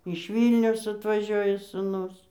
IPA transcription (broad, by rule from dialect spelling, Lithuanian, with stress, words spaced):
ɪʃ ˈʋʲiːlʲnʲɛʊs ɐtʋɐˈʒʲoːjɛ suːˈnʊs